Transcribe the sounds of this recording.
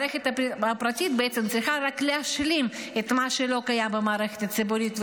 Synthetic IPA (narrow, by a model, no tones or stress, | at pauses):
exʲet̪ɐpɐpɾat̪ʲit̪beɛt̪semt̪t͡slʲixaɾaklʲɪaʃlʲim | et̪maʃelokajabɨmaɾexe̥t̪asɨbʊɾʲit̪v